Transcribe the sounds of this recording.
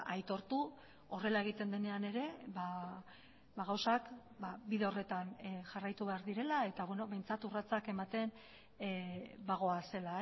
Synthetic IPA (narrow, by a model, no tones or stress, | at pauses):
ʔajt̪o̞ɾt̪u | o̞re̞lae̞ɣ̞it̪e̞nd̪e̞ne̞ane̞ɾe̞ba | baɣawsak | babiðe̞o̞re̞t̪anʝarajt̪uβe̞aɾðiɾe̞lae̞t̪aβwe̞no̞βe̞jnt͡sat̪urat͡sake̞mat̪e̞n | baɣ̞o̞ase̞lae